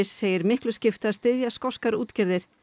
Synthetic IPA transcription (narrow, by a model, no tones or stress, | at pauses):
ɪsːeːjɪɾmɪhklʏscɪft̪aðst̪ɪðjaskɔskaɾṵːt̪cɛɾðɪɾ̥